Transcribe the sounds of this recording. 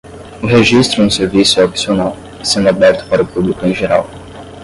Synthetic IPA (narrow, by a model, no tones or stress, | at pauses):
ʊɦeʒist̪ɾʊũseɾvisʊopsionaw | sẽnd̪ʊabɛɾt̪ʊ̥paɾʊpublikʊẽj̃ʒeɾa̰w